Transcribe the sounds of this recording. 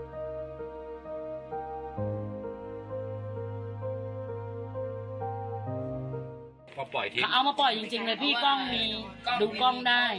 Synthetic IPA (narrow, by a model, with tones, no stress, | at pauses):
pʰɔ˧pɔ˨˩j̪ʰa˨˩ʔa˧wmaː˧pɔ˨˩jːi˧ŋt͡ɕi˧ŋlɤː˧jpʰiː˥˩kɔ˥˩ŋmiː˧duː˧kɔ˥˩ŋdaː˥˩j